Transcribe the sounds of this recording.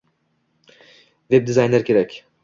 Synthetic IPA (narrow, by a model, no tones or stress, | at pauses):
vɛb̚d̪izajnlʲæɾcʰʲeɾɛc